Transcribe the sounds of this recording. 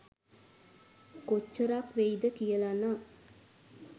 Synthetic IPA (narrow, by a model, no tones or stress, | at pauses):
kot͡ʃːəɾakʋejd̪əkijəlanaː